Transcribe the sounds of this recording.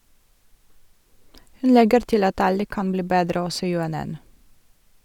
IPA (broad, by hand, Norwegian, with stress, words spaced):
ˈhʉn ˈlɛɡəɾ ˈtɪl ˈɑt ˈɑlə ˈkɑn ˈbliː ˈbeːdɾə ˈɔsɔ ˌjʉɛˈnɛn